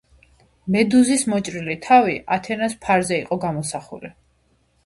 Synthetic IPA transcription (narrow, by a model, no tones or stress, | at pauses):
mɛd̪uzismɔt͡ʃʼɾilit̪ʰaviʔat̪ʰɛnaspʰaɾzɛiqʼɔɡamɔsaχṵli